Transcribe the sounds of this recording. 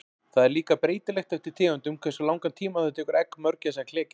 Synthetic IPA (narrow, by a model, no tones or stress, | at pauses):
θaðɛɾliːkapɾeːjt̪ɪlɛxt̪ɛft̪ɪɾ̥t̪ʰɪːɣʏnt̪ʏmkʰvɛrsʏlawŋkant̪ʰiːmaθat̪ʰɛːkʏɾɛkmœɾcasakʰl̥ɛːcɪ